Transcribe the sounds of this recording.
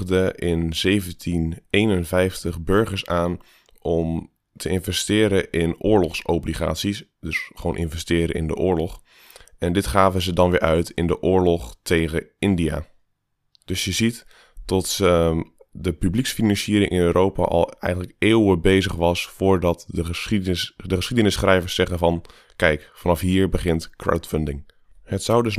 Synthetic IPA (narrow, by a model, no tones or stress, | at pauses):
dəʔɪnz̥ejvəntʰinejnənvɛjftəχbøɹχəɹsaːn | ʔɔm | tʰəɪnvɛstɪːɾəʔɪnʊːɹlɔχsowbliχa̰ːtsisdøsχʋownʔɪ̰nvɛstɪːɾə̰ɪ̰ndə̰ʔʊːɹlɔχ | ɛndɪtχaːvəzədɑnʋɪːʔœɥtʰɪndəʔʊːɹlɔχtʰejɣəɪndia̰ | d̥ɵsjəzit | tɔt | dəpybliksfinɑnsiəɾɪŋʔɪnøːɾʔowpa̰ʔɑ̰lˠɛ̰jɣənləkeːwwəbejzəχʋɑsfʊːɹdɑtə | dəχəsχidənɪsχrɛjvəɹsːɛɣəvɑn | kɛjkfɑnɑfɦiːɹbəχɪntkra̰wtfəndɪŋ | hətsawdøs